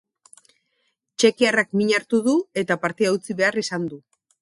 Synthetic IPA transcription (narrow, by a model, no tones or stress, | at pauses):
t͡ʃe̞kiarakmiɲaɾt̪uðue̞t̪apaɾt̪eawt͡siβe̞arisand̪u